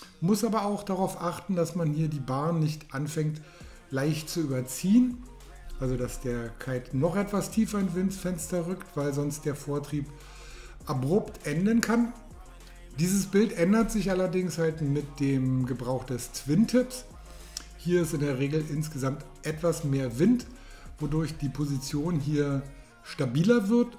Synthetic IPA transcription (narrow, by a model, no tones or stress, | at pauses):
mʊsʔaːbɐaʊxd̥aʁaʊfʔaχtn̩dasmanhiːɐdiːbaɐnːɪçtʔanfɛŋt | laɪçtt͡suyːbɐt͡siːən | ʔalzodasd̥eːɐkʰaɪtnɔχʔɛtv̥astʰiːfɐɪnvɪnsfɛnstɐʁʏktv̥aɪlzɔnst̚d̥eːɐfoːɐtʁ̥iːp | ʔabʁʊptʰʔɛndənkʰan | d̥iːzəsb̥ɪltʔɛndɐtz̥ɪçʔalɐdɪŋshaltmɪt̚d̥eːmɡəbʁaʊxd̥ɛst͡sv̥ɪntʰːɪps | hiːɐɪstɪndeːɐʁ̞eːɡl̩ʔɪnsɡ̥əzamt | ʔɛtv̥asmeːɐvɪnt | vodʊɐçd̥iːpʰozit͡sjoːnɦiːɐ | ʃtabiːlɐvɪɐt